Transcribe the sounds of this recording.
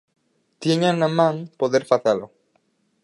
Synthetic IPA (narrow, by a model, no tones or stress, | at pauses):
t̪jeɲanamãŋpoðeɾfaθelo